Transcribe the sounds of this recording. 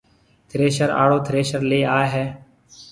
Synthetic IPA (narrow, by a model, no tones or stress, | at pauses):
t̪ʰɾeːʃəɾa̰ːɽoːt̪ʰɾeːʃəɾleːaːeɦeː